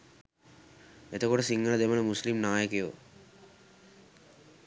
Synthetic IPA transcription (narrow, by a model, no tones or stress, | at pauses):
et̪okoʈosiŋːəlad̪eməlmuslimnaːjəkejo